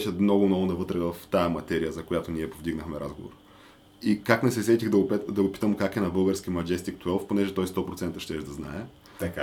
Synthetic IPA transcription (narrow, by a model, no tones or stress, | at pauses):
ʃɛmnɔɡʊmnɔɡʊnɐvɤt̪ɾɛvɐft̪amɐt̪ɛɾijəzɐkojat̪oniɛpovd̪iɡnəxmɛɾʔa̰zɡovo̰ɾ | ikaknɛsɛsɛt̪iɣd̪ɐɡʊpɛd̪ɐɡopi̥t̪əmkakɛnɐbɤlˠɡəɾsk̟imɐd͡ʒɛst̪ikt̪wɛlˠfponɛʒɛt̪ɔjst̪ɔpɾot̪sɛnt̪ɐʃt̪ɛʒd̪ɐzna̰ɛ | t̪ɐka